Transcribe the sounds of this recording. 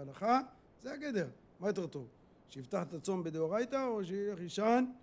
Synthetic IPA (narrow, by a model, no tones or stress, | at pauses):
alaχa | zeaɡed̪eʁ | majt̪eʁt̪o | ʃejift̪aħt̪at͡so̞mbed̪eoʁajt̪aoʃeileχiʃan